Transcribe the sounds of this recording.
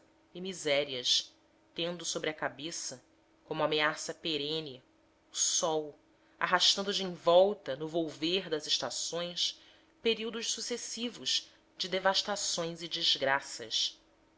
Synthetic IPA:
ɪmizɛɾiɐs | t̪ẽnd̪ʊsobɾɪɐkabesɐ | kõmuameasɐpeɾẽnɪ | ʊsɔw | a̰ɦaʃt̪ɐ̃nd̪ʊd͡ʒɪĩvɔwt̪ɐnʊvowveɾd̪ɐzeʃt̪asõj̃s | peɾiwd̪ʊʃsusesivʊʃ | d͡ʒɪd̪evaʃt̪asõj̃zɪd͡ʒiʒɡɾasɐs

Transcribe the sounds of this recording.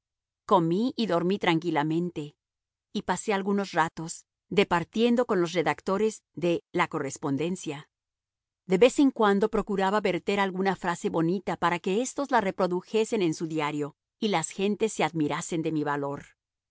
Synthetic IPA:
ko̞miiðo̞ɾmit̪ɾaŋkilamẽ̞nt̪e̞ | ipase̞alɣuno̞srat̪o̞s | ðe̞paɾt̪je̞nd̪o̞ko̞nlo̞s̬re̞ðakt̪o̞ɾe̞zðe̞lako̞re̞spo̞nd̪e̞nsja | d̪e̞βe̞se̞ŋkwand̪o̞pɾo̞kuɾaβaβe̞ɾt̪e̞ɾalɣunafɾase̞βo̞nit̪apaɾake̞est̪o̞zlare̞pɾo̞ðuxe̞se̞ne̞nsuðjaɾjo̞ | ilasxe̞nt̪e̞sːe̞aðmiɾase̞nd̪e̞miβalo̞ɾ

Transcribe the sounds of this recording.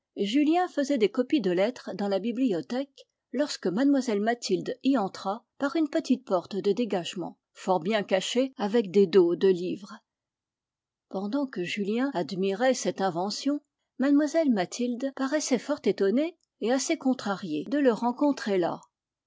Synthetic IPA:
ʒyljɛ̃fəzɛd̪ekɔpid̪əlɛt̪χd̪ɑ̃labibliɔt̪ɛk | lɔʁskəmad̪mwazɛlmat̪ʰild̪iɑ̃t̪χapaʁynpət̪it̪̚pɔʁt̪d̪əd̪eɡaʒmɑ̰̃ | fɔʁbjɛ̃kaʃeavɛkd̪ed̪od̪əliːvʁ | pɑ̃d̪ɑ̃kəʒyljɛ̃ad̪miʁɛsɛt̪ɛ̃vɑ̃sjɔ̃ | mad̪mwazɛlmat̪ʰild̪paʁɛsɛfɔʁt̪et̪ɔneː | asekɔ̃t̪χaʁjed̪ələʁɑ̃kɔ̃t̪χela̰

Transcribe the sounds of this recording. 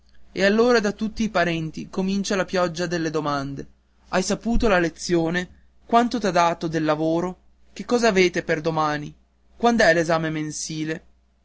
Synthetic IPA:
ḛalːoːɾad̪at̪ːut̪ːiːpaɾɛnt̪ikomint͡ʃalapjɔd͡ʒːad̪elːed̪omand̪e | ajsapuːt̪olalet̪sːjoːne | kwant̪ot̪ad̪aːt̪od̪elːavoːɾo | kekːɔːzaːveːt̪eperd̪omaːni | kwand̪oɛlezaːmemensiːle

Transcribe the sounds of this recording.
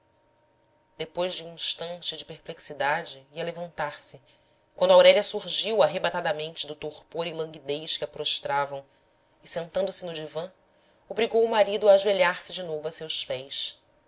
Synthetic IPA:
d̪̥epojzd͡ʒɪũĩʃt̪ɐ̃nt͡ʃɪd͡ʒɪpeɾpleksid̪ad͡ʒɪiɐlevɐ̃nt̪aɾsɪ | kwɐ̃nd̪ʊawɾɛlɐsuɾʒiwaɦebat̪ad̪ɐmẽnt͡ʃɪd̪ʊt̪oχpoɾilɐ̃ŋɡid̪ejʃkɪapɾoʃt̪ɾavɐ̃w̃ | ɪsẽnt̪ɐ̃nd̪ʊsɪnʊd͡ʒivɐ̃ | obɾiɡowʊmaɾid̪ʊaʒeʎaɾsɪd͡ʒɪnovʊasewspɛjs

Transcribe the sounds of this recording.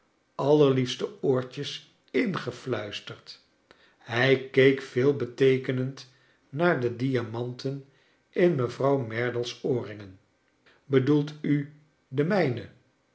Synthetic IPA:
ɑləɹlifstəoːɹcəs | ɪnχəflœɥstəɹt | ɦɛjkejkfɪːlˠbətejkənənt | naːɹdədiamɑntən | ɪnməvrɑwmɛɹdəlˠsoːrɪŋən | bədulˠty | dəmɛjnə

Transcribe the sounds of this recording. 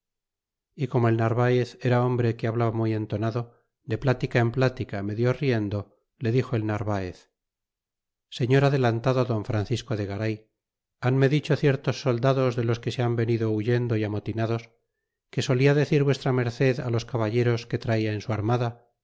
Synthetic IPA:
iko̞mo̞e̞lnaɾβaeθe̞ɾao̞mbɾe̞keaβlaβamuje̞nt̪o̞naðo̞ | d̪eplat̪ikae̞mplat̪ikame̞ðjo̞rje̞nd̪o̞ | le̞ðixo̞elnaɾβaeθ | se̞ɲo̞ɾaðe̞lant̪aðoðo̞ɱfɾan̟θisko̞ðeɣaɾaj | anme̞ðit͡ʃo̞θje̞ɾt̪o̞sːo̞ld̪aðo̞zðe̞lo̞ske̞seambe̞niðouʝe̞nd̪o̞iamo̞t̪inaðo̞s | ke̞so̞liaðe̞θiɾβwe̞st̪ɾame̞ɾθe̞ða̰lo̞skaβaʝe̞ɾo̞sket̪ɾaiaensuaɾmaða

